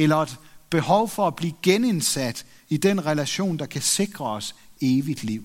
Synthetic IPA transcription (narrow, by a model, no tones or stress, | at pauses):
elɐed̥b̥e̝hɒʊfɒ̽æb̥liːɡ̥ene̝nsæd̥ | id̥enʁɛlæɕo̝̰ːnd̥ɑ̈kʰæse̝ɡ̥ʁɐɒse̝ːʋid̥liʊ̰